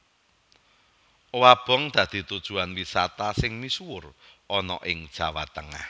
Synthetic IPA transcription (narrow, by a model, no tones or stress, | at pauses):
wab̥ɔ̤ŋd̪̥ä̤d̪̥i̤t̪ud̥ʒ̥ṳanwisat̪asɪŋmisuwʊrɔnɔ̰ʔɪŋd̥ʒ̥a̤wat̪əŋa̰h